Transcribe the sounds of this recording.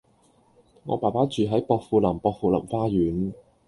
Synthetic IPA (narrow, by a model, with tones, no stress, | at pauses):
ŋɔ̰ː˨˧paː˨˩paː˨˥t͡ʃyː˨˧ɦɐ˨˥jpɔː˧k̚fuː˧lɐ˨˩mpɔː˧k̚fuː˨˧lɐ̰˨˩mfaː˥jyː˨˥n